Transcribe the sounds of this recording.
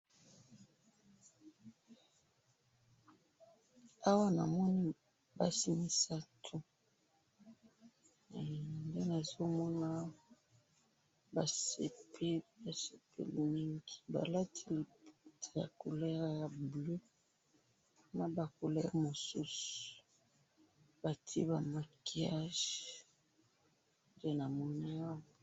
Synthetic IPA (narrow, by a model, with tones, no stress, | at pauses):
a˦wa˦na̰˨mɔ˦ni˦ | ba˦si˦mi˦sa˦tʰu˦˨ | nde˦na˨zo˦mɔ˦na˦ | ba˨sḛ˨pʰe˦ba˨se˨pʰḛ˦li˨mi˦ŋɡi̥˨ba̰˨la˦tʰi˦lptja̰˨ko˨lɛ˦ʁja˨blø˦ | na˨ba˨ko˨lɛ˦ʁmo˨su˦su̥˨ | b̥a˨tʰḭ˦ba˨ma˨ki˨˦a˦ʒ | de˦na˨mɔ˦na˦a˦wɔ˨